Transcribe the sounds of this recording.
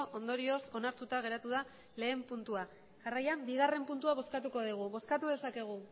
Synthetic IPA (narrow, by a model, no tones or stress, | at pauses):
ʔo̞nd̪o̞ɾio̞so̞naɾt̪ut̪aɣ̞e̞ɾat̪uða | le̞ːmpunt̪ua | ʝarajambiɣ̞are̞mpunt̪uaβ̞o̞skat̪uko̞ðiɣ̞uβo̞skat̪uðe̞sake̞ɣ̞u